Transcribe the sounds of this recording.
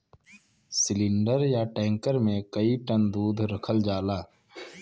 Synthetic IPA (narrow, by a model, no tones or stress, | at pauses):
sɪlɪ̃ɳɖəɾjaːʈɛ̃ːŋkəɾmẽkəiʈənd̪uːd̪ʱɾəkʰəld͡ʒaːlaː